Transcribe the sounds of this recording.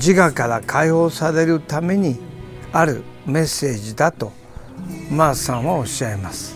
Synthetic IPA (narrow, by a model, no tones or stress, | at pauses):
d͡ʑiɡakaɾakʰaiho̞ːsaɾe̞ɾɯ̟t̪ame̞ɲ̟iaɾɯ̟ | me̞sːe̞ːd͡ʑid̪at̪o̞ | masãɰ̃βao̞ɕaemasɨ̥